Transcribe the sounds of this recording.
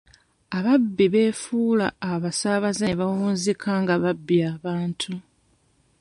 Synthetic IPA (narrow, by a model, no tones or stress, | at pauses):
aβabːiβe̞ːfuːlaːβasaβazeβawuːnzikʰaŋɡaβabːiaːβaːntʰu